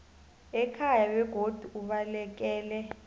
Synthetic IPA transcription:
ɛkʰajawɛɡ̥ʱod̥ʱuuɓalɛk̬ɛːlɛ

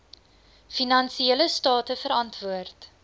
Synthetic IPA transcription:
finɐnsieləstɑːtəfəɾɐntvuərt

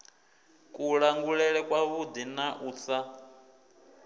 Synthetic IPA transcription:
kʼuɺaŋɡuɺɛɺɛkʼwaβud̪inaʔuːsa

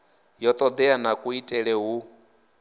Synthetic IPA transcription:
jɔt̪ʼɔd̪ɛanakʼuitʼɛɺɛɦu

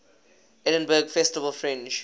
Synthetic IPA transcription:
ɛɾə̃nbəɡfɛstəvəlfɹɛ̃nt͡ʃ

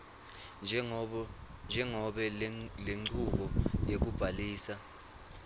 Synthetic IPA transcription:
nd͡ʒʱɛŋɔɓɛleŋ͡ǀuɓɔjek̬ub̥ʱaliːsa

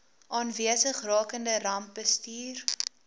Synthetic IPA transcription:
ʔɑːnviəsəχrɑːkəndərɐmp̚bəstyːr

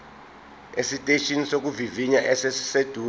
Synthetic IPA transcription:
esitʼeʃʰinisok̬uviviɲaʔɛsɛssed̥ʱuː

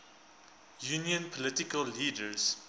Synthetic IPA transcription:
juniənpʰolətikalːidəɹs

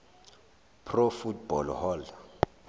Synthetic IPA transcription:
pʰrofutb̥ɔlhɔl

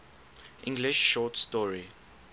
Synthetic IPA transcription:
ʔḭ̃ŋɡliʃːɔtstɔɹi

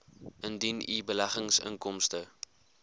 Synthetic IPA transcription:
əndinḭbəlæχəŋsə̰ŋkɔmstə

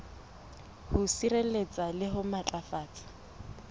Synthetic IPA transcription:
hʊsirelet͡sʼalɪɦʊmat͡ɬʼafaːt͡sʰʼɪ̥

